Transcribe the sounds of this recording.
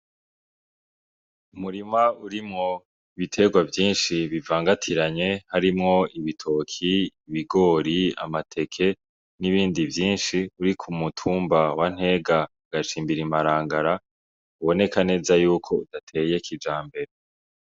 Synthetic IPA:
umuɾimauɾimŋo̞ | iβitʰe̞ɡwavjiːnʃiβivaːŋɡatʰiɾaɲe̞haɾimŋo̞iβitʰokʰiːβiɡo̞ːɾia̰matʰe̞kʰe̞ | niβiːndivjiːnʃiuɾikʰumutʰuːmbawan̥he̞ːɡa | ɡ̥at͡ʃiːmbiɾimaɾaːŋɡaɾa | uβo̞ne̞kane̞ːzajuːkʰo̞udatʰe̞je̞kʰid͡ʒaːmbe̞ɾe

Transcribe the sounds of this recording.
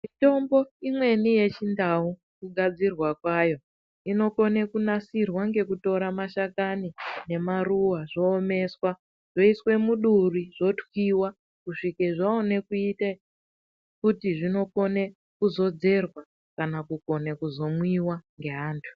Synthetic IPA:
mito̞mbo̞imwe̞nije̞t͡ʃindau | kuɡʱad͡zirwakwajo̞ | ino̞ko̞ne̞kunasirwaŋɡe̞kuto̞ɾamaʃakanine̞maruwaʐo̞ːme̞swa | ʐ̥o̞iswe̞muɗuriʐo̞twiwa | kuʂikeʐaone̞kuite | kutiʐino̞ko̞ne | kuzo̞d͡ze̞rwa | kanakuko̞nekuzo̞mwiwaŋɡe̞ɦaːntʰu̥

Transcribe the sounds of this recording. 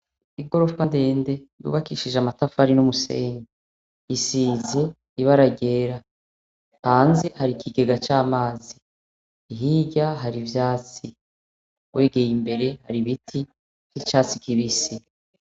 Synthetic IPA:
iɡo̞ɾo̞fande̞ːnde̞ɾṵβakiːʃiʒamatafaɾinumuse̞̰ːɲɡe | isiːze̞ | iβaɾaɟe̞ːɾa | haːnzehaɾikʰiɡe̞ɡat͡ʃaːmaːziː | ɦiɟaɦaɾivjaːt͡si | we̞ːɡe̞jimbe̞ɾe̞haɾiβitʰi | kit͡ʃaːt͡sikiβisi

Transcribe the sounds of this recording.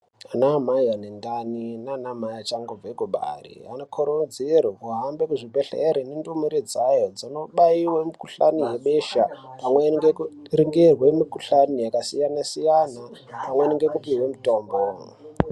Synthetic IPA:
anamajanendaninaːnamajat͡ʃaŋɡob͡veɡuɓa̰rḭanokʰoɾod͡zirikuɦambekuʐibʱeɬḛɾenendomuɾed͡zajod͡zinoɓaiwamikuɬa̰nijeɓeʃapamweŋɡekriŋɡerwemikuɬanijakasijanasijanapamweniŋɡekupiwemitoːmbo

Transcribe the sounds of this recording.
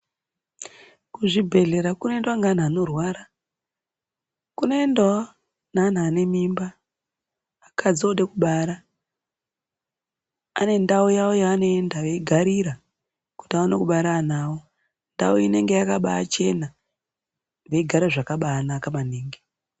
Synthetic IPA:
kuʐibʱe̞ɮe̞ɾakune̞ndwaŋɡan̤aːno̞rwaːɾa | kunoendwa | nan̤aːne̞mimba | kʰad͡zo̞ɗekuɓaːɾa | ane̞ndaujawojaːno̞endaʋeiɡʱaɾiɾa | ku̥tiawanokuɓaɾan̤aːwo | nda̰uine̞ŋɡejakaɓa̰t͡ʃe̞na | ʋeiɡʱaɾaʐakaɓaːnakamaneːŋɡe

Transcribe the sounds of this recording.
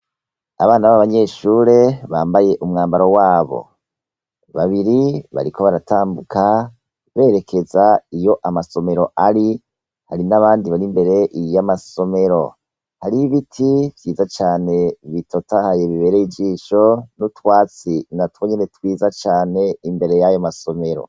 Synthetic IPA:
a̰βaːnaβaβaɲe̞ːʃuɾe̞βaːmbaje̞ʔumŋaːmbaɾo̞waːβo̞̰ | βaβiɾiβa̰ɾikʰo̞βaɾatʰaːmbukʰa | βe̞ːɾe̞kʰe̞zaijo̞ʔamaso̞me̞ɾo̞ʔaɾi | haɾinaβaːndiβaɾimbe̞ɾe̞ʔjamaso̞me̞ɾo̞̰ | haɾiβitʰivjiːzat͡ʃaːne̞βitʰotahajeβiβe̞ːɾeid͡ʒiːʃo̞nutwaːt͡sinatwoɲe̞ne̞twiːzat͡ʃaːne̞imbe̞ɾe̞jajomaso̞me̞ɾo̰

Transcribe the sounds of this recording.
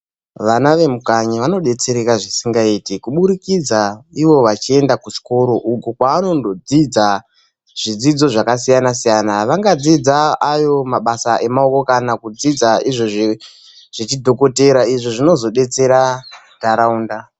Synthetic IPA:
ʋanaʋe̞mukaɲiʋano̞ɗe̞t͡se̞ɾekaʐisiŋɡaiːtikuɓuɾikid͡zaiʋo̞ʋat͡ʃie̞ndakuʃi̥ko̞ɾo̞ʔukukwaano̞ndo̞d͡zid͡za | ʐ̥id͡zid͡zo̞ʐakasijanasijanaʋaŋɡad͡zid͡zaːjo̞maɓasaʔe̞mao̞ko̞kanakud͡zid͡zaiʐoʐ | ʐ̥it͡ʃidʱo̞ko̞te̞ɾaiʐoʐino̞zo̞ɗe̞t͡se̞ɾa | taɾauːnda

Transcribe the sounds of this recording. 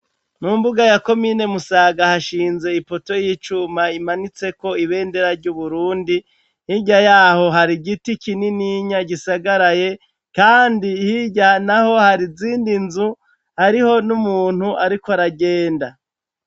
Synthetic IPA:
nuːmbuɡajako̞mine̞musaːɡahaʃiːnze̞ipo̞to̞jit͡ʃumaimanit͡se̞ko̞iβe̞ːnde̞ɾaɾɟuβuɾuːndi | hiɟajaːho̞ɦaɾiɡitikininiɲaɟisaɡaɾaje̞ | kaːndihiɟanaho̞haɾiziːndinzu | haɾiho̞numuːn̥huʔaɾikoaɾaɡe̞ːnda

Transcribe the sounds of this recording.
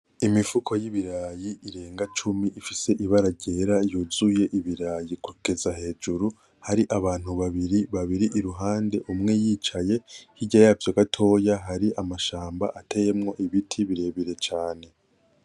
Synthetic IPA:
imifukʰo̞jiβiɾaːjiʔiɾe̞ːŋɡat͡ʃumiʔifise̞ʔiβaɾaɟe̞ːɾajuzuje̞ʔiβiɾaːjikuke̞zaɦe̞ːd͡ʒuɾu | haɾiʔaβaːn̥huβaβiɾiβaβiɾiʔiɾuɦaːnde̞ʔumŋe̞jiːt͡ʃaje̞hiɟajavjoɡatʰo̞ːjaɦaɾiʔamaʃaːmba̰ʔatʰe̞je̞mŋo̞ʔiβitʰiβiɾe̞βiɾe̞t͡ʃaːne̞

